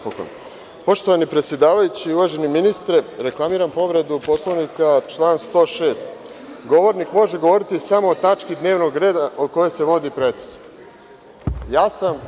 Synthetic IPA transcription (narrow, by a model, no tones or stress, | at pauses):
poko̰n | po̞ʃt̪o̞ʋanipɾet̪sje̞d̪aːʋajut͡ɕiːuʋaʒe̞niminist̪ɾeɾe̞klˠamiːɾampo̞ʋɾe̞d̪upo̞slˠoʋnikat͡ʃlˠaːnst̪o̞ːʃe̞ːst̪ | ɡo̞ʋo̞ɾnikmo̞ʒeɡo̞ʋo̞ɾit̪isamoːt̪at͡ʂkid̪ne̞ːʋno̞ɡɾe̞ːd̪aʔo̞d̪̚ko̞jese̞ʋo̞d̪ipɾet̪ɾesk | jaːsam